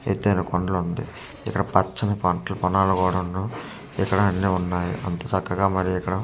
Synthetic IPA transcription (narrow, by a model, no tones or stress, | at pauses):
ḛt̪ːeːjnɐkoɳɖɐlund̪ḭ | ɪkːɐɽɐpɐt͡ʃːɐnɐpɐɳʈɐlɐpɐnaːlukɔːɽɐnːu | ikːɐɽɐɐnːiːunːaːjḭʔɐnt̪ɐːt͡ʃɐkːɐɡaːmɐɾijikːɐɽɐ